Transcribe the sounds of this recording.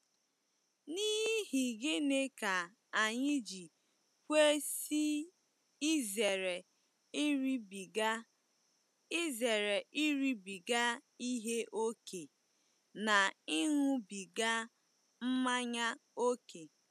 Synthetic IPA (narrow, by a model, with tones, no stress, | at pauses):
ni˦ɦi˦hi˨ɡɪ˦ne˦ka˨ | a˨ɲɪ˦d͡ʒi˨ | kʷe˦si˦ | ze˨ɾe˨˦ | ɾi˦b | i˦ze˨ɾe˨ʔi˦ɾi˦bi˨ɡa˦i˦ɦe˦ʔo˦ke˨ | na˨i˦ɦʊ˦bi˨ɡa˦ | m̩˦ma˦ɲa˦o˦ke˨